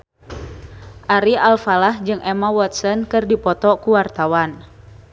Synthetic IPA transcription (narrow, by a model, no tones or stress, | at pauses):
ʔaɾialfalahd͡ʒɨŋʔɛmawɔt̪̚sɔnkɨrdipɔt̪ɔkuwart̪awan